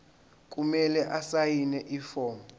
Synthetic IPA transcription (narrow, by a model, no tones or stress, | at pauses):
kʼumɛlɛʔasajinɛʔiːfɔːm